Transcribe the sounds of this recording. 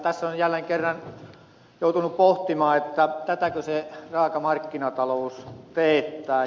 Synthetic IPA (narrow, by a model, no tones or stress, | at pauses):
t̪æsːonjælːˑeŋkerːɑn | joˑut̪unuppoht̪imɑːet̪ːæt̪æt̪ækøserɑːkɑmɑrkːinɑt̪ɑloust̪eːt̪ːˑæː